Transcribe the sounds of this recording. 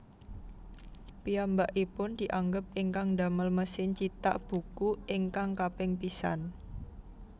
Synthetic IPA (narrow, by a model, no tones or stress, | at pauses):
piambaʔipʊnd̪̥i̤ʔaŋɡəp̚ɪŋkaŋd̪a̤məlməsɪŋt͡ʃit̪a̰ʔb̥ṳkuɪŋkaŋkapɪŋpisa̰n